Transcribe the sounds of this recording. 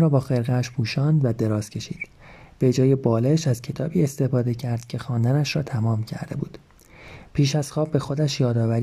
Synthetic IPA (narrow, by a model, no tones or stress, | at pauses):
ɾɒːbɒːxe̞ɾɣæʃpʰuːʃɒːnd̪væd̪e̞ɾɒːz̥cʰe̞ʃḭːd̪̥b̥e̞d͡ʒɒːje̞bɒːleʃæz̥cʰe̞t̪ʰɒːbiːe̞st̪e̞fɒːd̪e̞cʰæɾd̪̥cʰe̞xɒːnd̪ænæʃɾɒːt̪ʰæmɒːmcʰæ̰ɾd̪e̞̰buːd̪̥ | pʰiːʃæz̥xɒːbːe̞xo̞d̪æʃjɒːd̪ɒːvæɾ